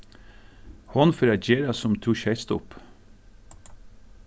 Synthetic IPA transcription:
hɔnfɔɾɑd͡ʒeːɾɑsɔmt̪ʰuːʃɛɪst̪ʊp

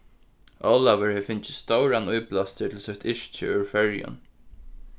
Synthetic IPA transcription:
ʔoːlaʋəɹhɛfɪnt͡ʃɪst̪owɹanujplast̪ət̪ʰɪlsœht̪ʰɪʃt͡ʃɪ̰ʏɹfɛɹjʊ̰n

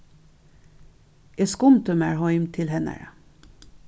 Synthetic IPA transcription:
ʔeskʊmt̪ʰəmæːɹhɔʏmt̪ʰɪlhɛnæ̰ɾə

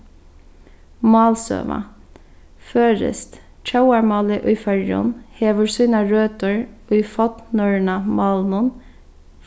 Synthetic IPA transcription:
mɑːlsø̰ːʋɑ̰ | føːɾə̰st̪ | t͡ʃʰɑʊɑɹmɑːlɪʔʉʏfæɹjɔ̰nheːʋəɹsyːnɑɹøːt̪əɹ | œʏfɑt̪nœɹɳɑmɑːlmʊn

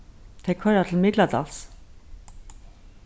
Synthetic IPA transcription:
t̪ʰɛkʰœɾat̪ʰl̩mɪt̪lat̪a̰ls

